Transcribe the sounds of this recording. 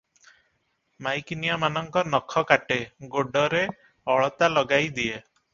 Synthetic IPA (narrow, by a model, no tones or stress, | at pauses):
majkinijamanɔŋkɔnɔkʰɔkaʈeɡoɖɔɾe | ɔɭɔt̪alɔɡajd̪ije